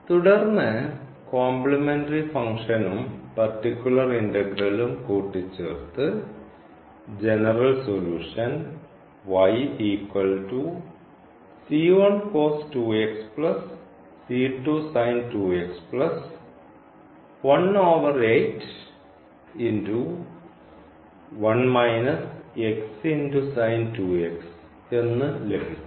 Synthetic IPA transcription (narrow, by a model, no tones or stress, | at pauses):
t̪uɽɐrnːɨ | kaːmplɐmenʈɐɾifɐŋkʂɐnumpɐrʈːikʲːuɭɐrindɐɡɾɐlumkuːʈːit͡ɕːeːrt̪ɨ | d͡ʑenɐrɐlsoluːʂɐn | ʋɐjiːkwɐlʈu | siːʋɐnkoːsʈuːeksplɐsː | iːʈusaɪnʈuːeksplɐs | ʋɐnoːʋɐɾeɪʈ | inʈu | ʋɐnmaɪnɐseksinʈusaɪnʈuːeks | enːɨlekis